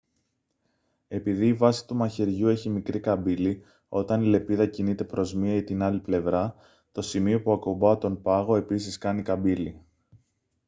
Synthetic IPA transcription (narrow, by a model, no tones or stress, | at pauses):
e̞piðiːvɐsi̥t̪umɐçeɾʝue̞çimikɾikɐbili | o̞t̪ɐnile̞piðɐcinit̪e̞pɾo̞zmiɐit̪inɐliple̞vɾɐ | t̪o̞simio̞puɐko̞bɐt̪o̞npɐɣo̞e̞pisiskɐnikɐbili